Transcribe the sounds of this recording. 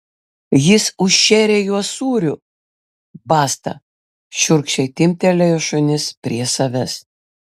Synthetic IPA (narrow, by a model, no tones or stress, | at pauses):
jɪsʊʃʲʃʲɛːɾʲeːjuɔsuːɾʲʊ | bɑːst̪ɐ̰ | ʃʲʊɾkʃʲɛɪt̪ʲɪmʲt̪ʲɛlʲɛjoːʃʊnʲɪspʲɾʲiɛsɐʋʲɛs